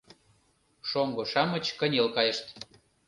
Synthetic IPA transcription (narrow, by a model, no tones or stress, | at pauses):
ʃoŋɡŏʃɑmət͡ɕkənʲelkɑjəʃt̪